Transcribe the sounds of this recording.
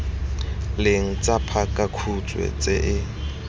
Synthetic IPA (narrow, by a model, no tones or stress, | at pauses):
lɪŋ̩t͡sʼapʰakʼakʰut͡sʼwɛ̰t͡sʼɪʔɪ